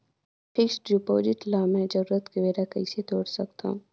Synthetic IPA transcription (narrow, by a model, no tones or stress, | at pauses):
pʰɪksɖɾupoːd͡ʒɪʈlaːmɛ̃d͡ʒɐɾuːɾət̪keʋeːɾakɐiset̪oːɽsɐkt̪a̰ũ